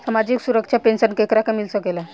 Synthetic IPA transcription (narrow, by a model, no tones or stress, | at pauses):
samad͡ʑiːksuɾəkʂapensənkekɾakamilsəkela